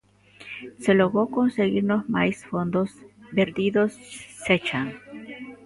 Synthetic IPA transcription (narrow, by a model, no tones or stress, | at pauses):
se̞lo̞ɣɾo̞ko̞nse̞ɣiɾnosmajsfo̞nd̪osbe̞ɾd̪iðo̞sːet͡ʃaŋ